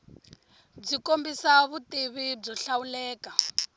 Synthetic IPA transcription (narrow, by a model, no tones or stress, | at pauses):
b͡ʐikombisaβutʼiβib͡ʐɔɬaulɛːka